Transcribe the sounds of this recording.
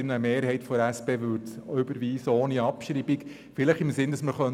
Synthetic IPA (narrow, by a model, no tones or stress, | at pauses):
ɪnəmeːɾhɛɪtfɔdəɾæspeːʋʉɾtʏbəɾʋiːsoːniɑpʃɾiːbik | fɪləχɪmsɪndɑsməɾχœn